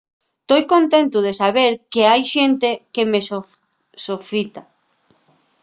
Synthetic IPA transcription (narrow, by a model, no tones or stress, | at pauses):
t̪ojkont̪ẽnt̪ʊð̞esaβeɾkeajʃent̪ekemes | sofit̪a